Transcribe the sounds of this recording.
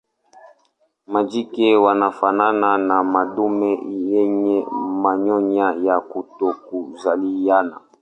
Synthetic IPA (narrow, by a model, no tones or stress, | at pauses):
mad͡ʒikɛwanafanananamadumɛjɛɲɛmaɲɔɲajakutokuzalijana